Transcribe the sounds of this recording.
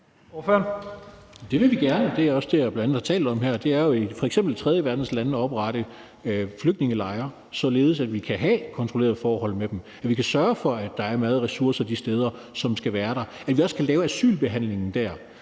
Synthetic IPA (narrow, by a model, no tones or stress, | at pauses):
føn | d̥e̝ʋe̝ʋiɡ̥æɐnəd̥e̝æɐɒ̽sd̥e̝æb̥lænænð̩ˠhɑ̈t͡sʰɛ̰ːld̩ˠɒ̽mhæɐ̰d̥e̝æɐjo̝ifɒ̽eɡ̥sembl̩t͡sʰʁɛðˠjəʋæɐd̥n̩slænɒ̽b̥ʁɑ̈ɾ̥ə | fløɡ̥̚d̥ne̝ŋəlɑ̈ɪɐ | sɒ̽le̝ːð̞̩ˠsæd̥ʋikʰæɦækʰɒ̽nt͡sʰʁo̝le̝ːɐð̩ˠfɒːhɒ̽l̰med̥em | æʋikʰæsɶɐfɒ̽æd̥ɑ̈æɐmæːð̞̩ˠʁɛsuɐ̰sɐd̥isd̥eːð̞ˠɐsɒ̽msɡ̥æʋæːɐɾ̥ɑ̈æd̥ʋiɒ̽skʰælɛːʊæsy̰ːlb̥e̝ɦæn̰le̝ŋn̩d̥æɐ̰